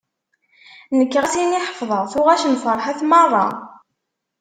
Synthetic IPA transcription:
nəkːʁæsiniħəfðˤəʁθuʁæʃənfəɾˤħaθmɑrˤːɑ̰

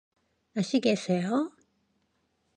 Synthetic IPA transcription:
aɕiɡesejo

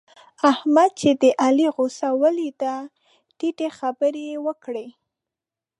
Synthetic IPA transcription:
ahmad̪̚t͡ʃed̪əʔaliɣosawəlit̪a | ʈiʈexabəɾewəkɽe

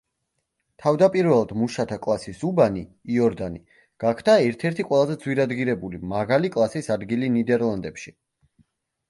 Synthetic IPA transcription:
t̪ʰavd̪apʼiɾvɛlˠd̪muʃat̪ʰakʼlˠasisubaniːɔɾd̪ani | ɡ̥akʰd̪aɛɾt̪ʰɛɾt̪ʰiqʼwɛlˠazɛd̪zwiɾad̪ɡiɾɛbulimaʁalikʼlˠasisad̪ɡilinid̪ɛɾlˠand̪ɛpʃi

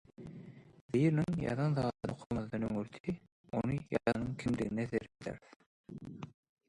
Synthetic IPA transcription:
b̪iːɾniŋjɑ̰ðɑnðɑːd̪ɯqʰolˠmɑðd̪ɑnøŋyɾt̪ʰi | o̰nɯjɑ̰ðɑnɯŋkʰimd̪ḭɣineθeɾd̪æ̰ɾθ

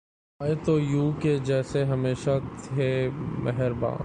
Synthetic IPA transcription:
aːet̪ojuːked͡ʒɛːseɦɐmeːʃat̪ʰemʔɛɦɛɾbã̰ː

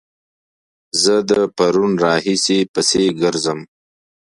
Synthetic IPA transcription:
zəd̪əpaɾunɾɑːhisipəseɡəɾzəm

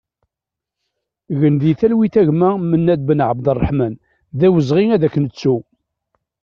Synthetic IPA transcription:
ɣənðiθælwiθæʝmæmənːæd̪̚bənʕəbd̪ərˤːɑħmæn | ðæwəzʁiŋæðækːənət͡sːu

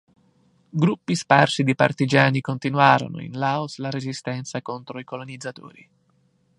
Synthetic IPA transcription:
ɡɾupːisparsid̪ipa̰rt̪id͡ʒaːnikont̪inwaːɾo̰no̰ḭnlaoslaɾezist̪ɛnt̪sakont̪ɾoikolonid̪zːat̪o̰ːɾi

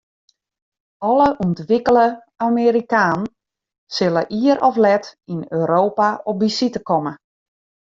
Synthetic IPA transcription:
ɔləʔuntʋikələ | ameːɾikaːn | sɪlə̰ʔiəɾɔflɛtinøːɾoːpaɔp̚bisitəkɔmə

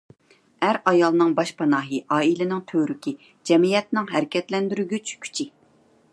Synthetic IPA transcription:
æɾɑjɑlˠnɨŋbɑʃpʰɑnɑːɦɨʔɑːilɪnɪŋt̪ʰøɾykʲi | d͡ʒɛmijɛt̪nɪŋɦæɾɪkʲʰɛt̪lɛnd̪yɾyɡʲyt͡ʃʰkʲʰy̥t͡ʃʰɪ

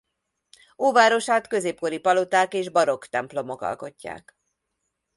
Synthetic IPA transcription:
oːvaːɾo̞ʃaːt̪kø̞zeːp̚ko̞ɾipɒlot̪aːkeːʒbɒɾo̞kt̪ɛmplo̞mo̞kɒ̰lko̞cːa̰ːk

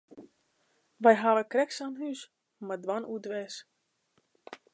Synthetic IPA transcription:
ʋɛjɦaʋəkrɛksanɦys | madwanudʋɛːs

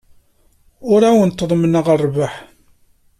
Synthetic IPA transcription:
ʊɾæwənt̪ːəðˤmənəʁərˤːvaħ

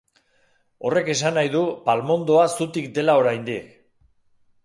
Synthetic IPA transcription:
o̞re̞ke̞sanajðupalmo̞nd̪o̞asut̪ikd̪e̞lao̞ɾajnd̪ik

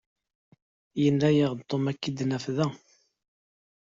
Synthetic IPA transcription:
jənːæjəʁt̪ˤːomækːid̪næfðæ

